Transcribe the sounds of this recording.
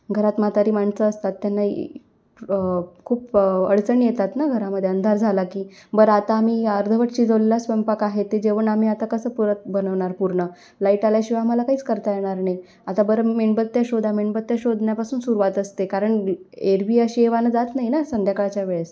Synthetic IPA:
ɡʱəɾat̪mat̪aɾiːmaɳsəːst̪at̪ːjanːaḭ | kʰuːpəɽt͡səɳijet̪at̪naɡʱəɾaməd̪ʱːjeənd̪ʱaɾd͡zʱalakiːbəɾat̪aːm̤iːəɾd̪ʱəʋəʈt͡ɕiːd͡zəʋlelasʋempakaɦet̪ːed͡ʑeʋəɳam̤iːat̪akəsəːpuɾət̪̚bənəʋɳaɾpuɾɳə | laiʈaljaɕiʋam̤alakaɦiːt͡skəɾt̪ajeɽ̃aɾnaj | at̪abəɾəmeɳbət̪ːjaɕod̪ʱameɳbət̪ːjaɕod̪ʱɳjapasuːnsuɾuʋat̪əst̪ekaɾəɳ | eɾbiːəɕieʋanəd͡zat̪naɦinasənd̪ʱjakəɭt͡ɕjaʋeɭes

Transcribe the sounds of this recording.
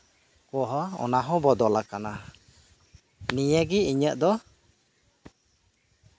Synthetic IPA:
kɔɦɔɔ̰naɦɔ̃bɔd̪ɔlakana | nijəɡiiɲəʔd̪ɔ

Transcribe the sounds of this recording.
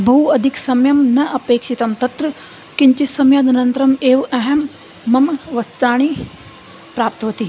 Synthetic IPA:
bʱɐɦuɐd̪ʱiksɐmjɐmnɐʔɐpeːkʃit̪ɐmt̪ɐt̪ɾɐ | kiɲt͡ʃisɐmjad̪ɐɾɐnt̪ɾɐmeːʋɐɦɐmː | ɐmʋɐst̪aːɳ̃iː | pɾaːpt̪ʋɐt̪i

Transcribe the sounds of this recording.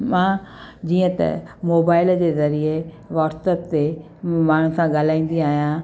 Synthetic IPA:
mãːd͡ʑiːə̃t̪ɐ̰moːbaːɪld͡ʑeːzɐɾie | ʋaːɾsəpt̪ːe | maːɳ̤ʊsãɠaːl̤aːĩːn̆d̪iaːɦijã

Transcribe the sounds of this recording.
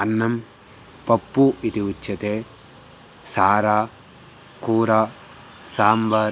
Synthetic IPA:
ɐnːɐm | pɐpːuit̪iut͡ʃːɐt̪eː | saːɾaː | kuːɾa | saːmbɐɾ

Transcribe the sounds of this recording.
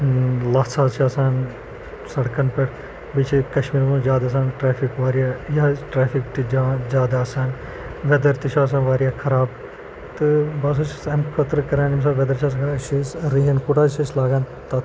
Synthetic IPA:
laːt͡sʰaːzt͡ʃʰaːsãːn | sɐɽkɐnpɐɽ | bit͡ʃʰikɐʃmiːɾmːd͡ʒʲjaːd̪aːs̬aːnʈɾaːpʰikʋaːɾijaːjaʈɾaːfʰikt̪id͡ʒaːd͡ʒaːd̪aːsaːn | ʋɛd̪ɐɾt̪it͡ʃʰaːs̬ãːnʋaːɾijaːkʰɐɾaːb | t̪ɨbaːs̬ũt͡ʃsɐmkʰɐt̪ɾkɐɾaːnims̬aːbʋed̪ɐɾt͡ʃʰaːs̬ãkɐɾaʃisɾiɦɐnkuʈaːʃislaːɡaːn | t̪a

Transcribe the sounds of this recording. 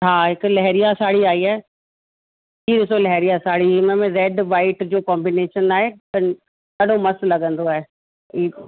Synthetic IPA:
ɦaːɦɪkʊlɐɦɛɾijasaːɽiaːiaːe | kiːɗɪsolɐɦɛɾijasaːɽ̤imẽmẽɾɛːɖʋaːɪʈd͡ʑoːkaːmbineːʃənaːɦeɐnɪ | kɐɗomɐslɐɠə̃nd̪oaːɦe | iː

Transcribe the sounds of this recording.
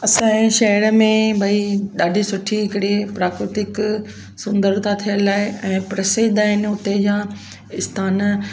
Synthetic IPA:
ɐsãːɪ̃ʃɐɦəɾəmẽbʱɐiɗaːɖʱisʊʈʰiɦɪkɽipɾaːkɾɪt̪ɪk | sʊ̃nd̪əɾt̪ʰat̪ʰijəlaːɪɛ̃ːpɾɐseːd̪aːɦɪnʊt̪ed͡ʑãː | ɪst̪ʰaːn

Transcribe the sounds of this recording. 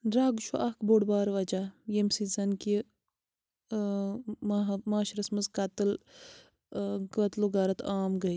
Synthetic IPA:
ɾaːɡt͡ʃʰuʔɐkboːɽbaːɾʋɐd͡ʒaːjemsizɐnki | mmaːʃɾɐsmɐzkɐt̪ɨl | ɡɐt̪loɡaːɾɐt̪ʰaːmɡɐi

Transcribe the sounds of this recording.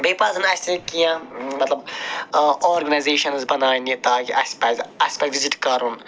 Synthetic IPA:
beːpazɨnɐsʲekijãmɐt̪lɐb | oːɾɡɐnajzeːʃɐnzbɐnaːnit̪aːkiʔɐsʲpɐzɐsʲpazʋiziʈkɐɾun

